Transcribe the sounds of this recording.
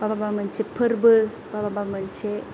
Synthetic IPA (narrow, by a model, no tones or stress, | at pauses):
bababamɯnsepʰɯɾbɯ | bababamɯnse